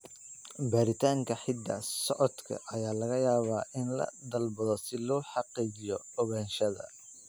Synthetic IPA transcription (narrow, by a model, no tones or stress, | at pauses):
baːɾɪt̪ʰaːŋkʰɐħɪd̪ɐ̰sɔʕɔd̪kʰɐ̰ʔɐjaːlɐɣɐjaːβaːʔɪnlɐ̰d̪ɐlbɐðɔsɪlɔːħɑqiːt͡ʃɪjɔ | ɔβɐnʃɐðɐ̰